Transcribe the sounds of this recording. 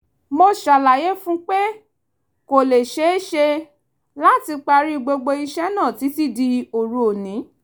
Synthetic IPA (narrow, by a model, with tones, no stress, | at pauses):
mo˧ʃa˨la˨je˨˦fũ˦k͡pe˦ | ko˨le˨ʃe˦e˦ʃe˧ | la˦˨ti˧k͡pa˧ɾi˦˧ɡ͡bo˧ɡ͡bo˧i˧ʃɛ˦nã˦˨ti˨˦ti˦di˧o˨ɾu˨˦o˨nĩ˨˦